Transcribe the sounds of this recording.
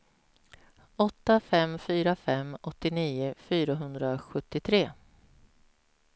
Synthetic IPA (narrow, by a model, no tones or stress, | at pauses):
ɔt̪ːafɛmfyːɾafɛmːɔt̪ːɪniːʊfyːɾaɦɵnd̪ɾaɧɵt̪ːɪt̪ʰɾeː